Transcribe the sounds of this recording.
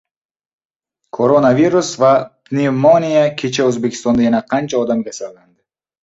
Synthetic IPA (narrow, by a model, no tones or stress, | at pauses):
kʰoɾonaviɾusvapnimonijakʲʰit͡ʃauzbekʰi̥st̪ɔnd̪aenaqʰant͡ʃʰaɔd̪amkʲesalɡand̪ɪ